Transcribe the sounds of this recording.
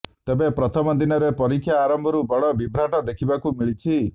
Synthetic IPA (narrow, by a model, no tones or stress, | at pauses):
t̪ebepɾɔt̪ʰɔmɔd̪inɔɾepɔɾikʰjaːɾɔmbʱɔɾubɔɽɔbibɾaʈɔd̪ekʰibakumiɭit͡ʃʰi